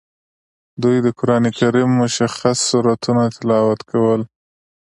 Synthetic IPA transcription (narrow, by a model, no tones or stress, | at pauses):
d̪ujd̪əkʊɾɑnekaɾimːʊʃaxasːuɾat̪unat̪ʰɪlɑwat̪kʰawəl